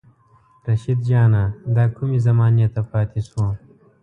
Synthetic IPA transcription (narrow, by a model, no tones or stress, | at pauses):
ɾɐʃid̪̚d͡ʒaːnad̪aːkʰumizɐmaːnjet̪ɐpaːt̪isuː